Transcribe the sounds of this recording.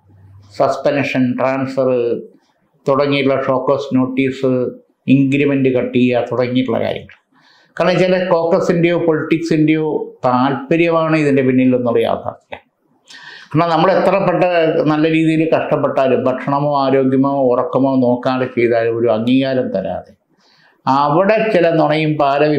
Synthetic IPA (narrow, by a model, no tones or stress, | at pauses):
sɐspenʂɐnʈraːnsfɐrɨ | t̪uɽɐŋːijʈːuɭːɐʂo̞ːkːoːsno̞ːʈːiːsɨ | iŋɡɾimendɨkɐʈːijat̪uɽɐŋːijʈːuɭːɐ̰ka̰ːɾjɐ̰ŋːɐɭ | kaːɳɐt͡ɕalɐko̞ːkːɐsindejo̞ːpoliʈːiksinde̞jo̞ːt̪aːlpɐɾjɐmaːɳɨiðinde̞pinːilonːuɭːɨja̰ːt̪a̰ːt̪ːilːɐ | kaːɳanɐmːɐɭe̞t̪ːrɐpːeʈːɐnɐlːɐɾiːðijilkɐʂʈɐpːeʈːaːɾumbʱɐʈʂɐɳɐmoːaːɾo̞ːɡjɐmourɐkːɐmoːno̞ːkːaːɭɐt͡ɕe̞jðaːluoɾuɐŋːiːɣaːɾɐmt̪ɐɾa̰ːðe | ɐʋiɽet͡ɕilɐnuɳɐjumpaːɾɐʋi